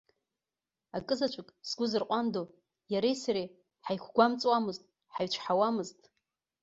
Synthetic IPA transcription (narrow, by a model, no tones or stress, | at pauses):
akʼɨzat͡ʃʷʰʼʊkʼsɡʷʊzɨrqʷʼando | jaɾejsaɾe | ħajkʷʰɡʷamt͡sʼwamɨztʼ | ħaɥt͡ʃʷʰħawamɨztʼ